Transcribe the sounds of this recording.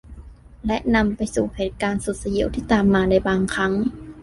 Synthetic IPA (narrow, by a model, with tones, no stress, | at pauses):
lɛ˦˥ʔna˧mpa˧jsuː˨˩heː˨˩t̪̚kaː˧nsu˨˩t̪̚sa˧ji˧˦wt̪ʰiː˥˩t̪aː˧mːaː˧da˧˩jbaː˧ŋkʰa˦˥ŋ